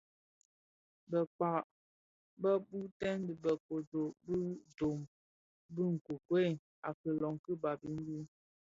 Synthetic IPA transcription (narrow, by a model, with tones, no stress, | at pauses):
bə˨k͡pa˨ʔ | bə˦bu˦tɛ˦ndə˨bə˨ko˨do˨ʔbɨ˦do˨m | bɨ˦ŋ̩˨ku˨kwe˦˨ | a˨kə˨lɔ˨ŋkɨ˦ba˨bi˦m˦bi˦n